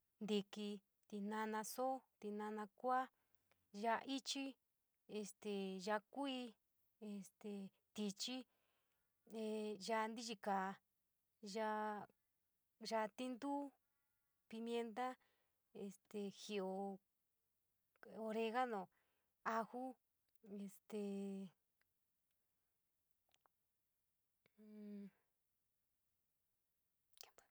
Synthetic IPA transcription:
nd̪i˧ki˧ | t̪i˧nã˧nã˧so˦t̪i˧nã˧nã˧kʷa˦ | ʒa˧ʔi˦t͡ʃi˦ | e˧st̪e˨ʒa˧kʷi˧ | e˧˨st̪e˧ | t̪i˧t͡ʃi˦ | e˧ʒa˧nd̪i˦t͡ʃi˧ka˨˧ | ʒa˧˦ | ʒa˧t̪i˦nd̪u˦ | pi˧mjẽ˧nt̪̬a˦ | e˨st̪e˧xi˧˨o˧ | o˧ɾe˧ɣa˦nõ˨ | a˧xu˦ | e˧st̪e˧

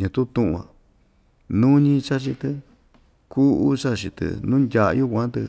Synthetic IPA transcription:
ɲũ˧t̪u˦t̪ũ˦ʔṵ̃˧ã̰˨ | nũ˦ɲĩ˧t͡ʃa˦t͡ʃi˧t̪ɨ˧ | ku˦u˦t͡ʃa˦˧t͡ʃi˧t̪ɨ̰˧nũ˦ndʲa̰˧ju˦˧kʷã˦t̪ɨ˧

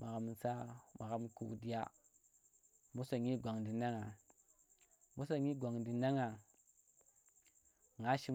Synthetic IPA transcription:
ma˨ɣa˨msa˦ma˨ɣa˦mkṵ˨di˦ja˦ | mu˦sa˨ɲi˦ɡʷa˨ŋdi˨na˦ŋa˨ | mu˦sa˨ɲi˦ɡʷa˨ŋdi˨na˦ŋa˨ | ŋa˦ʃi˦

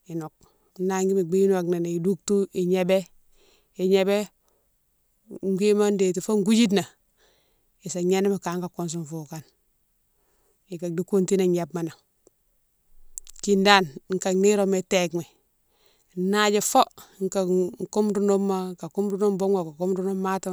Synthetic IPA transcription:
i˨no˨k̚ | na˦ŋɡi˦me˨ɡ͡bi˦n˦wa˨kne˨n˨i˨du˦ktu˦i˨ɲe˦be˦ | i˨ɲe˨be˦ | ŋ˦ɡi˦ma˦nde˨ti˨fo˦ŋ˦ɡu˦d͡ʒi˦t̬na˨ | i˨sa˨ɲe˦ni˦ma˨kaː˨˦ŋka˨ko˦ns̬u˨mfu˨ka˦n | i˨ka˨di˦ku˦nti˦na˨ɲa˨bma˨na˨ | ki˨nda˦nŋ̩˦ka˨ni˦ɾo˦me˨te˨kme˨ | na˦d͡ʒe˨fo˦ŋ˨ka˨ŋ˨ko˦mdu˦no˦mːa˦ka˨ku˦mdu˦no˦mbo˦ŋa˨ka˨ko˦mdu˦no˦mːa˦ta˦

